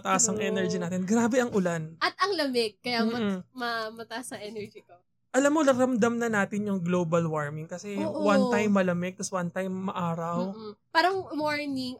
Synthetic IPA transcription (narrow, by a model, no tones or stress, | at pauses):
ɐt̪ɐʔɐsɐŋʔɛːnɛɹd͡ʒinaːt̪ɪnɡɾaːbɛɐŋʔʊlanʔɐt̪̚ɐŋlɐmɛɡ̚kːɐjammɐmɐmɐt̪ɐaʔɐsɐʔɛnɛɹd͡ʒiko | ʔɐlamːo̞ɾɐɾɐmd̪ɐmnɐnaːt̪ɪnjʊŋɡloːbɐlwaɹmɪŋkɐsɛwɐnt̪ajmːɐlɐmɛɡ̚t̪ɐswɐnt̪ajmːɐʔaːɾɐw̩paːɾɐŋmoɹnɪŋ